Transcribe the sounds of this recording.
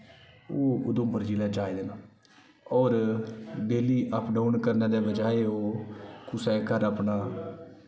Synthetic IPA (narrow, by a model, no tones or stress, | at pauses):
oːʊ̰d̪ʊmbəɾd͡ʒiːlaːd͡ʒaːed̪eːnaː | ɔːɾɖeːliːʔəpʰɖaːʊnkəɾnaːd̪eːbəd͡ʒaːeːɦoːkʊsɛːkəɾəpnaː